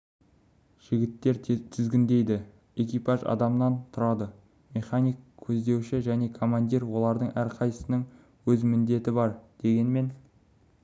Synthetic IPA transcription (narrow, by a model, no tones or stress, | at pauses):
ʒ̥ɪɡʲɪt̪ːe̞ɾt̪ʰɪzɡʲɪnd̪e̞jd̪ɪ | e̞kʲipɑʒɑ̰d̪ɑmənɑnt̪ʰʊɾɑd̪ə | me̞χanijkkʲʰɵzd̪e̞wʃɪʒæne̞kʰo̞mand̪iɾwo̞lˠɑɾd̪əɴʔæɾqʰɑjsəsənəŋ | wɵzmɪnd̪e̞t̪ɪbɑɾd̪̥e̞ɡʲe̞nme̞n